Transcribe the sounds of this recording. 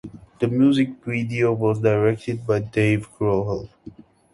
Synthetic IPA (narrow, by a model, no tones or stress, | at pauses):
d̥əmjuzɪk̚vidiowɔzdaɹɛk̚tʰəd̚baɪdeɪvɡɹoɦəl